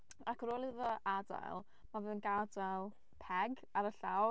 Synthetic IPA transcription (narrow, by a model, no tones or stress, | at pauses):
akʰɾoːlˠɨðɔʔada̰jlˠ | mavɨːðənɡadalˠ | pʰɛɡ | aɾəɬaw